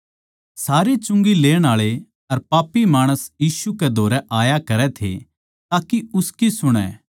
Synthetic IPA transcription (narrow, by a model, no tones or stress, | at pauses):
saːɾet͡ʃʊ̃ŋɡileːɽ̃aːɭe | ɐɾpaːpːimaːɽ̃əsjiːʃukɛd̪ʱoːɾɛʔaːjakɐɾɛt̪ʰḛ | t̪aːkiʊskisʊɽ̃ɛ̰̃ː